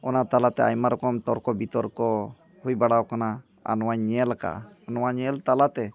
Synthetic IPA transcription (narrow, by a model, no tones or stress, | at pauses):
ɔnat̪alat̪ɛa̰jmaɾɔkɔmt̪ɔɾkɔbit̪ɔɾkɔ | hujbaɽawkana | a̰nɔwaɲɲɛlaka̰ːnɔwaɲɛlt̪alat̪ɛ